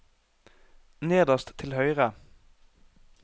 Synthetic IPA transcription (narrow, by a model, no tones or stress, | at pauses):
neːd̪əʁst̪t̪ʰːɪlhœʏʁə